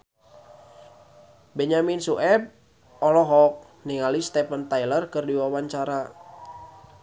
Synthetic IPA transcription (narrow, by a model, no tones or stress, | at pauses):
bɛɲaminsuʔɛp̚ | ɔlɔɦɔk̚ | niŋalist̪ɛpənt̪ajlərkɨrdiwawaɲt͡ʃaɾa